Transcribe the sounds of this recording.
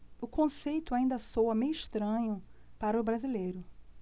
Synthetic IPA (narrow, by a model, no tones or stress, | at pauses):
ʊkõsejt̪ʊaĩnd̪ɐsowɐmejiʃt̪ɾɐ̃ɲʊpaɾɐʊbɾazilejɾʊ